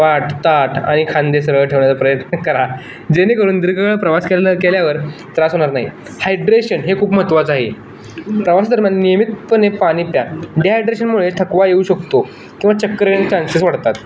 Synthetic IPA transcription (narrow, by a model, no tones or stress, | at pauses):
ʋaʈt̪aʈʰa̰ɽ̃ikʰãnd̪es̬əɾəʈʰeʋɳjat͡sapɾəjət̪nəkəɾa | d͡ʑenekəɾuːnd̪iɾɡəkəɭəpɾəʋaskelləkeljaʋəɾt̪ɾasɦoɽ̃aɾnaɦḭ | hajɖɾeɕənɦekʰuːpm̤ət̪ʋat͡saɦe | pɾəʋast̪əɾmannijəmit̪pənepaɽ̃iːpjaɖeɦajɖɾeɕənmuɭet̪ʰəkʋajeuɕəkt̪o | kĩw̃ʋat͡ɕəkːɾnet͡ɕãnsisʋəɽt̪at̪